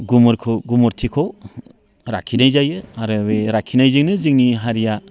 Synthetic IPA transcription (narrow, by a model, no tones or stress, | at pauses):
ɡumɔɾkʰoɡumɔɾtʰikʰow | ɾa̰kʰinajzajɯaɾɯbeɾakʰinajzɯŋnɯzɯŋniɦaɾija